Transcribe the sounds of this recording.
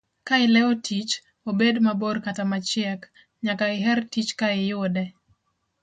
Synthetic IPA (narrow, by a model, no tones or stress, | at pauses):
kaɪlɛɔtʰit͡ʃ | obedmaborkatamat͡ʃɪɛk | ɲakaɪɦɛrtit͡ʃkaɪjʊdɛ